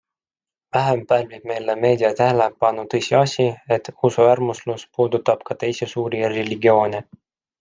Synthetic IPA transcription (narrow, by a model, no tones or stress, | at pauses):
væɦempæːlvib̥̚me̞jleme̞ːd̪iɑt̪æɦelepɑnːut̪ɤjsʲiɑsʲie̞t̪ːˑusuærmusluspuːd̪ut̪ːɑb̥kɑt̪e̞jsesuːɾireliɡio̞ːne